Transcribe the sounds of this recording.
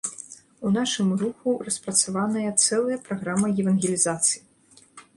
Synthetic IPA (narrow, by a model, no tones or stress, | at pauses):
unaʂɨmruxurɐspɾɐt̪savanɐjɐt̪sɛlˠɐjɐpɾaɣɾamɐjɛvɐnɣʲelʲizat̪sɨji